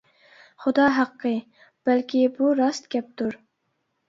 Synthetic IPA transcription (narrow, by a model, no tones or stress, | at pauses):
χʊd̪ɑːɦɑqːə | b̥ælkʲibuɾɑst̪ɡʲɛp̚t̪ʰuɾ